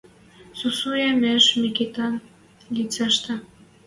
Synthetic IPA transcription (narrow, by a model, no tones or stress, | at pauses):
susujemeʃmikit̪ɑn | lit͡sɑʃt̪ɑ